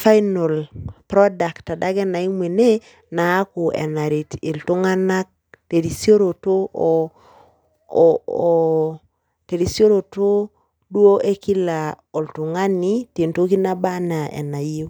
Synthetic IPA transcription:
fa˦jno˨lpɾɔ˦da˨ktːa˨da˦ɡɛ˦na˨i˦mwe˨ne˦ | naː˨˦ku˨ʔɛ̰˨na˨ɾi˨ti˨ltʊ˦ŋa˦na˦k̚ | te˨ɾi˨sjo˦ɾo˨to˦˨ | te˨ɾi˨sjo˦ɾo˨to˦ | dwo˦ʔe˦ki˦la˨o˨ltu˨ŋa˦ni˦te˨nto˦ki˦na˦ba˦na˨ɛ̰˨na˨ji˦o˦

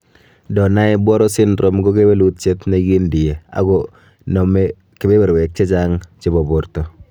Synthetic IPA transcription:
dɔ˨na˦ɪ˦bwɔ˦ɾɔ˦sɪ˦nɾo˦mɡo˦ke˦be˦lu˦t̪̚t͡ʃe˦t̪ne˨ɡɪ˦ndɪ˨je˨a̰˨ɡɔ˨ | nɔ˨me˦ | ke˨be˦be˨ɾwe˨k̚t͡ʃe˦t͡ʃa˦ŋt͡ʃɪ˦bɔ˨bʊ˨ɾt̪ɔ˨

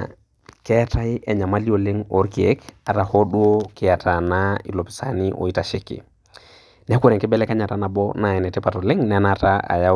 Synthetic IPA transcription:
kɛ˦ata˦jɛ˨ɲa˨ma˦li˦o˨le˦ŋɔ˦ɾkie˦ka˨tahɔ˦ɗu˦o˦kɪata˨nai˨lo˨pi̥sa̰˨ni˦ʔɔ̰˨i˦taʃe˦kḭ˨ | nɛ˦ku˦ɾɛ˨ŋkɛ˦bɛ˦lɛ˦ka˦ɲa˨tana˨bɔna˨ɛ˨nɛ˨tɛpatɔ˨lɪ˦ŋnɛnataa̰˨ja˦

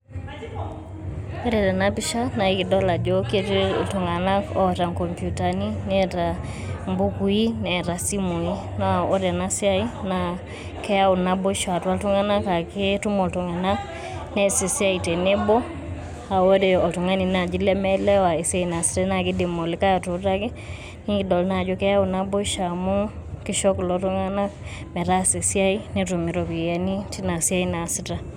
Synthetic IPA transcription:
e˦ɾɛ˨tɛ˨na˦pi˦ʃa˦na˨i˦kɪ˨dɔ˦la˨d͡ʒo˦ke˦te˦˨to˨ŋa˨na˦kɔ˦ta˨ŋkɔ˨mpju˨ta˨ni˦ne˦ta˨ | mbʊ˦ku˨˦i˦nɛ˨ɾa˨si˦mo˨i˦ | na˦˨o˦ɾɛ˨na˦si˦a˦i˦na | kɛ˦a˦o˨na˦bo˦ʃa˨twa˦tu˦ŋa˦na˦ka˨ke˦tu˦mɔ˨tɔ˨ŋa˨na˦k | nɛ˦si˨si˦a˦i˨te˨ne˦bɔ˦ | a˨wo˦ɾe˨ɔ˨tu˨ŋa˦ni˨na˨d͡ʒi˦lɛ˦mɛ˦lɛ˦wa˨e˨sa˦i˨na˨si̥˦ta˦na˨kɪ˦de˨mo˨li˦ka˦ja˨to˨˦ɾa˦ke˦ | ni˦ŋɡi˨dɔ˨lna˨d͡ʒɔ˦kɛ˦ja˦u˨na˦bo˦ʃa˨mu˦kɪ˦ʃɔ˦klɔ˨˦to˦ŋa˦na˦mɛ˨ɾa˦se˨sja˦i˦ne˦tu˨mi˨˦ɾɔ˨βi˨ja˨˦ni˦ti˦na˨sa˦i˦na˨si˨ta˦

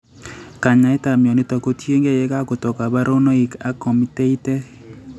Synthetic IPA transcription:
ka˨ɲa˨ɪ˦ta˨mjɔ˨nɪ˦tɔ˨ko˦tje˦ŋɡe˦jɛ˦ka˦ko˨tɔ˨ka˨ba˦ɾo˦no˦i˨ka˦kɔ˨mi˦te˦i˦tɛ˦

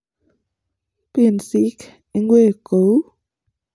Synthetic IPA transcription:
pi˩˨nsi˦k | e˧ŋɡwe˦˨ko˨w

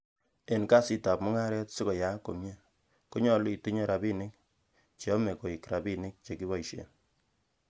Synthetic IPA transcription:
e˨nka˦si˦ta˨p̚mʊ˦ŋa˦ɾɛ˦tsɪ˦kɔ˨ja˨˦ko˨mɲe˦ | ko˦ɲɔ˨lʊ˦i˨tu˦ɲɔ˦ɾa˨bi˦nɪ˦k̚ | t͡ʃɔ˦me˨ko˨i˨kɾa˨bi˦nɪ˦k̚t͡ʃe˨ki˦βɔ˨iʃḛ˨n

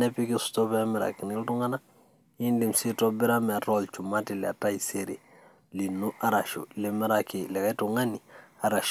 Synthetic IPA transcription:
nɛ˦pi˦ke˦su̥˨tɔ˦bɛ˦mi˨ɾa̰˨ki˨ni˦ltũ˦ŋɡa˦na˦ | i˦nde˨msi˦tɔ˦bi˦ɾa˦mɛ˨tɔ˦lt͡ʃu˨ma˦ti˨le˨a̰˨ta˦i˨se˦ɾḛ˨ | li˨nu˦ʔa˦ɾa˨ʃo̰˨le˨˦mi˦ɾa˦ke˨lɛ˨kɛ˦tu˨ŋɡa˦ni˨a˨ɾa˨ʃ

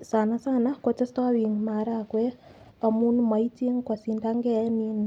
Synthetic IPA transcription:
sa˨na˦sa˦na˦kɔ˨t͡ʃɛ˦stɔ˦wi˨ŋma˨ɾa˨kwɛ˦ | ɔ˨mu˦nma˨ji˦ti˦ŋkwɔ˨si˨nda˦ŋɡɛnin

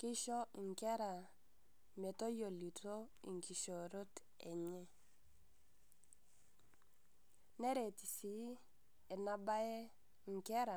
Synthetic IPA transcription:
kɪ˦ʃɔ˦i˨ŋkɛ˦ɾa˨ | me˨to˦jo˨li˨to˦ | i˨ŋki˨ʃo˨ɾo˦t | ɛ˨ɲɛ˦ | nɛ˦ɾe˨ti˨si˨˦ | ɛ˨na˦ba˦ɛ˦ | ŋ˨kɛ˦ɾa˨

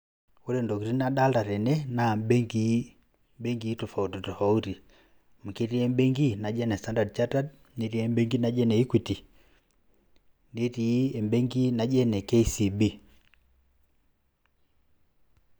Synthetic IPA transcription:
u˦ɾɛ˨ndɔ˨ki˨ɾi˦na˦ɗa˦la˨ɾɛ˨nɛ˦na˨mbɛ˦ŋɡi | mbɛ˦ŋɡi˨˦tɔ˨fa˨u˨ti˨tɔ˨fa˨u˦ti˨ | m̩˨ki˦ɾi˦ɛ˦mbɛ˦ŋɡi˦na˨d͡ʒɛ˦nɛ˨sta˦nda˨dt͡ʃa˦ta˦d | ni˦ɾi˦ɛ˦mbɛ˦ŋɡi˦na˨d͡ʒɛ˦nɛ˨i˦kwi˨ti˨ | ni˦ti˨˦ɛ˨mbɛ˦ŋɡi˦na˨d͡ʒɛ˦nɛ˨kɛ˦i˦si˨bi˦

